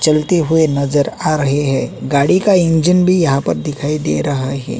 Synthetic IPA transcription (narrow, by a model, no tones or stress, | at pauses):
t͡ʃɐlt̪eɦʊenɐzəɾaːɾɐɦeɦɛːɡaːɽikaɪ̃nd͡ʒənbʱijɐɦãpɐɾd̪ɪkʰaːid̪eːɾɐɦaɦɛ̰ː